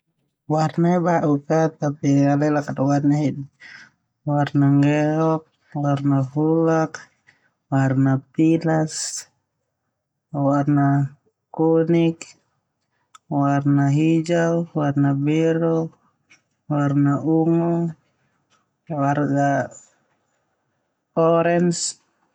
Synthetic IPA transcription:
warnaibaʔukat̪apialɛlakadɔwarnaɦid | warnaŋɡɛɦɔk̚ | warnaɦulak | warnapilas | warna | kɔnik | warnaɦid͡ʒawwarnabɛɾɔ | warnaʔuŋɔ | warɡa | ɔɾɛns

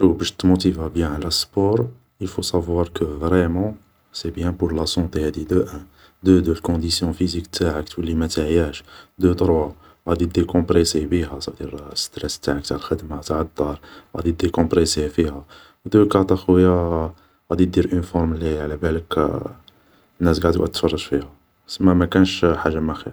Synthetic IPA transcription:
ʃubæʃt̪mot̪ivabjæ̃ʕlæspɔɾ | əlfosavwɑɾˤkəvɾɛmɑ̃ | sebjæ̃puɾlasɔ̃t̪ehæd̪id̪əʔæ̃ | d̪əd̪əlkɔ̃d̪isjɔ̃fizikt̪ʰaʕəkt̪wəlːimæt̪aʕjæʃd̪ət̪əɾwa | ɣæd̪id̪ekɔ̃pɾesebiɦæsæd̪iɾst̪ɾɛst̪ːaʕək̚t̪aʕlxəd̪mhæt̪aʕ̚d̪ːɑɾˤɣæ̰d̪id̪ekɔ̃pɾesefihæ | wd̪əkɑt̪ˤɑxwəjːa | ɣæd̪it̪̚d̪iɾʔənfɔɾˤmliʕlæbælək | nːæsɡaʕd̪iwʔæ̰t̪fɑrˤːəʒfihæ | səmːæmækænʃħaʒːamæxiɾ

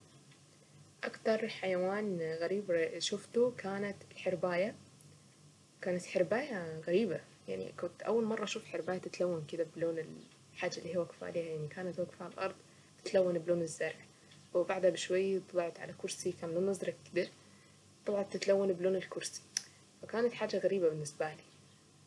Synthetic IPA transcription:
ʔakt̪ɑɾˤħajawaːnɣaɾiːbʃʊft̪ukaːnat̪ɪlħɪɾbaːja | kaːnat̪ħɪɾbaːjaɣaɾiːba | ja̰ʕnḭkʊnt̪ʔa̰wːalmɑrˤːɑʃuːfħɪɾbaːjat̪ɪt̪lawːankɪd̪abloːnɪl | ħaːd͡ʒːaʔliːhiwaɡfa̰ːliajaʕnikaːnat̪waɡfaalʔɑɾˤd̪ˤ | t̪ɪ̥t̪lawːanbloːnɪzːɑɾˤħ | wɪbaʕd̪habɪʃwajːt̪ɨlɑʕt̪ʕa̰lakʊɾsikaːnloːnːɑzˤɾˤɑkkɪd̪iɾ | t̪ˤɑbʕɑnt̪ɪt̪lawːanbloːnɪlkʊɾsi̥ | fakaːnat̪ħaːd͡ʒːaɣaɾiːbabɪnːɪsbaliː

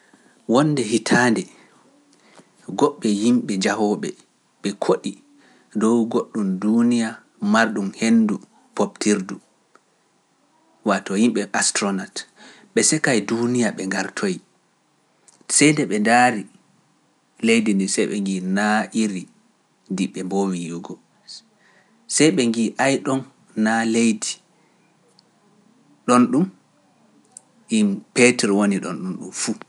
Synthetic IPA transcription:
wɔnːdɛɦitʰandɛ | ɡɔɓːɛjimɓɛd͡ʒahɔːɓɛ | ɓɛkʰoɗi | dɔwɡoɗːumdunija | maɾɗumhendu | poptʰiɾdu | watɔhimɓɛʔastɾɔnat | ɓɛsɛkajdunijaɓɛŋɡaɾtʰoj | sɛjndɛɓɛndaːɾi | lejdindisɛjɓɛ̰ŋɡinaʔiɾi | diɓɛmboːwijuɡɔ | sɛjɓɛŋɡiʔajɗɔnː | alejdi | ɗɔnɗum | impetɛɾwoniɗɔnɗunɗṵmfu

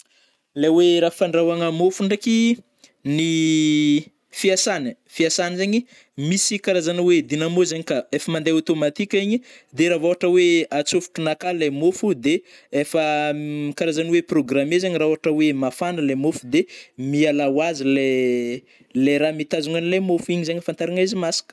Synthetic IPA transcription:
leweɾafaɳɖ͡ʐawaŋəmofuɳɖ͡ʐeki | ni | fiasanə | fiasanizeɲi | misikaɾazaniwed̪inamozaɲikaefəmand̪eot̪omat̪ikʲiɲid̪eɾavoaʈ͡ʂəweat͡sufu̥ʈ͡ʂunakalemofud̪e | efəkaɾazanweproɡramezaɲiraoaʈ͡ʂəwemafanəlemofud̪emialawazile | leɾamit̪azuŋanilemofuiɲizaɲifant̪aɾaŋajzimasḁkə̥

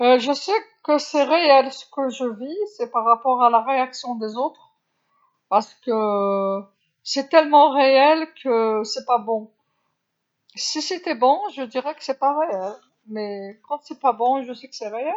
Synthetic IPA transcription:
əʒəsɛkəsɛʁeɛlsə̥kəʒəvisɛpaʁːapɔʁalaʁeaksjɔ̃d̪ezot̪χ | paʁsə̥kə | sɛt̪ɛlmɑ̃ʁeɛlkʰəsɛpabɔ̃ | sisɛt̪ɛbɔ̃ʒəd̪iʁɛkə̥sɛpaʁeɛl | mɛkɑ̃sɛpabɔ̃ʒəsɛkə̥sɛʁeɛl

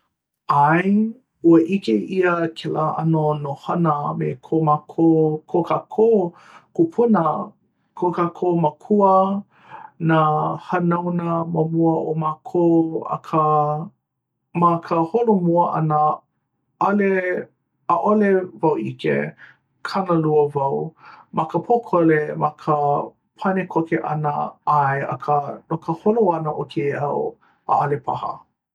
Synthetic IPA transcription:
aj | uəʔikeʔiəkʰelaːʔɐnonohɐnəmḛkʰomakʰokʰokʰakʰoː | kupʰunə | kʰokakʰoːmɐkʰuə | nahɐnawnəmɐmuəʔomakʰoɐ̰kʰə | mɐkʰəholomuɐʔɐ̰nə | ʔɐle | aʔolevawʔikḛ | kʰɐnəluɐvɐwmɐkəpʰokʰolemɐkʰə | pʰɐnekʰokeʔɐ̰nə̰aeɐ̰kʰənokəholoɐnəʔokʰeɐw | a̰ɐlepʰa̰hə̰

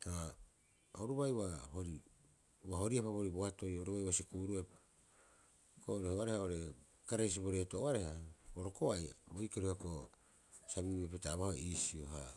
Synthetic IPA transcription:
ha | oɾuβajwahoɾi | waɦo̞ɾiapaβoɾiboato̞joɾuβajwasikuɾuepḁ | koɾehoaɾehaoɾe̞ | kaɾajs̬ibo̞ɾe̞toʔoaɾehaboɾokoajabojkeɾuhako | saβiepetaːβahoisioɦa̰

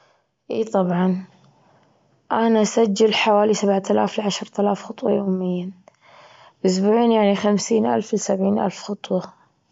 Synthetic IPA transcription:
ʔḭːt̪ˤɑbʕɑn | ʔanasad͡ʒːalħawaːlisabʕt̪ʰalaːflʕaʃɾt̪alaːfxʊt̪ˤwɑ̰joːmɪjːa | ʔʊs̬buːʕiːnjaʕnixamsiːnʔa̰lflsabʕiːnʔa̰lfxʊt̪ˤwɑ

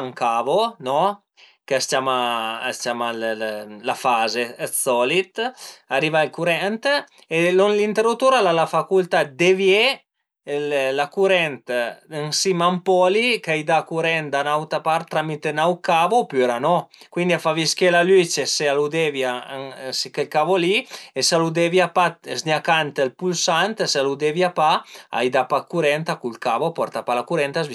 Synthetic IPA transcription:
ŋkavonɔ | kest̪jamast̪jamallafazesɔlit̪aɾivailkuɾɛnt̪ | elonlint̪eɾot̪uɾalalafakult̪ad̪evje | llakuɾɛnt̪ənsimampɔlikajd̪akuɾɛnd̪anawt̪apaɾt̪ːɾamit̪enawkavopyeɾanɔ | kwind̪iafaviskelalyt͡ʃesealud̪evjasikelkavoliesalud̪eviapazniakant̪elpulsant̪salud̪evjapaa̰jd̪apakuɾɛnt̪akulkavopɔɾt̪apalakuɾɛnt̪azvi

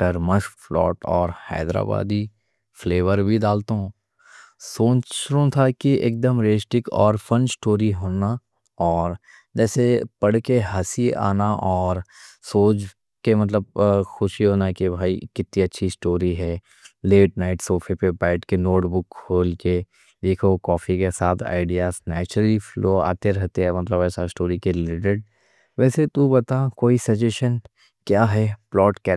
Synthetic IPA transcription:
ʈɐɾməʃflɔ̰ːʈɔːɾhɛ̰ːd̪ɾa̰ːba̰ːd̪i | fleːʋəɾbʱid̪aːlt̪oɦõː | soːt͡ʃɾõt̪ʰakiḛːk̚d̪əmɾeːsʈɪkɔ̰ːɾfə̃nsʈoːɾiɦoːna | ɔːɾ | d͡ʒɛːsepɐɽkeɦɐsia̰ːnaʔɔːɾsoːt͡ʃ | kemɐt̪̬ləb̚xʊʃiɦoːnaɦɛkibʱaːikɪt̪nĩɐtːʃʰisʈoːɾiɦɛː | leːʈnaːɪʈsoːfʰepepaːɪʈkenoːʈbʊkʰːhoːlke | d̪eːkʰokɔːfʰikesaːt̪ʰa̰ːɪɖijaːsnɛːt͡ʃɾəlifloːa̰ːt̪eɾɐɦt̪eɦɛmɐt̪ləbɛːsasʈoːɾikelɪʈeɖ̚ | ʋɛːset̪ubɐt̪akoːisɐd͡ʒeːʃən | kjaːɦɛplɔːʈkɛ

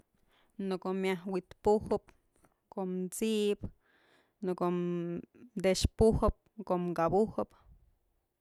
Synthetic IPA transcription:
nokomjahwit̪puhɨp̚ | komt͡siʔp | noko | d̪eʃpuhɨp̚koʔmɡabuhɨp

